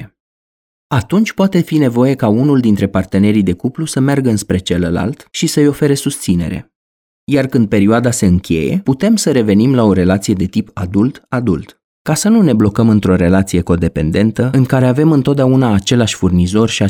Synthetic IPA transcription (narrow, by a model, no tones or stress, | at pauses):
at̪unt͡ʃʲpoat̪e̞fine̞vo̞je̞kaunuld̪int̪ɾe̞part̪e̞ne̞ɾid̪e̞kuplusəmerɡəɨnspɾe̞t͡ʃe̞ləla̰lt̪ʃisəjo̞fe̞ɾe̞sust̪sine̞̰ɾe̞̰ | jarkɨnd̪̚pe̞ɾioad̪ase̞ɨŋkʲe̞̰je̞̰put̪e̞msəɾe̞ve̞nimlao̞ɾe̞lat̪sije̞d̪e̞t̪ipad̪ult̪ad̪ult̪ | kasənune̞blo̞kəmɨnt̪ɾo̞ɾe̞lat̪sije̞ko̞d̪e̞pe̞̰nd̪e̞nt̪əɨŋkaɾe̞ave̞mɨnt̪ot̪̚d̪eaunaːt͡ʃe̞laʃʲfurnizo̞rʲʃia